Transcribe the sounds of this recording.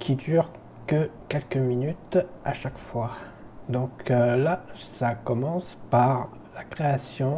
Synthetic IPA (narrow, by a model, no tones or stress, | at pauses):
kʰʲid̪yʁ | kəkʲɛlkəminyt̪aʃakfwa | d̪ɔ̃klasakɔmɑ̃spaʁ | lakχeasjɔ̃